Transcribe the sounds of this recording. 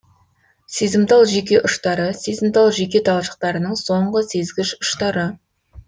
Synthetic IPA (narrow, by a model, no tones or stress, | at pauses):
sezɪmt̪ɑlˠʒe̞kʲe̞ʔʊʃt̪ɑɾəsezɪmt̪ɑlˠʒe̞kʲe̞t̪ʰɑlˠʃə̥q̚t̪ɑɾənəɴso̞ɴʁəse̞zɡʲɪʃʊʃt̪ɑɾə